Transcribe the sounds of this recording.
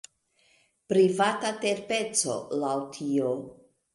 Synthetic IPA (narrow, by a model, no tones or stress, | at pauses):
pɾivatate̞ɾpe̞t͡so̞̰lawtʰio